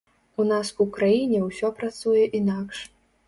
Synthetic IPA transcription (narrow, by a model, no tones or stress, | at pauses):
unasukɾajinʲɛwsʲɔpɾat̪sujɛʔinakʂ